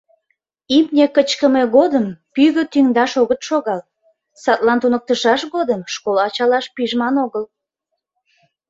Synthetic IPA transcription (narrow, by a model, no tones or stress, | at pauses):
imnʲekət͡ɕkəmeɣod̪əmpyɣøt̪yŋd̪ɑʃoɣət̪ʃoɣɑl | sɑt̪lɑnt̪unək̚t̪əʃɑʃɣod̪əmʃkolɑt͡ɕɑlɑʃpiʒmɑnoɣəl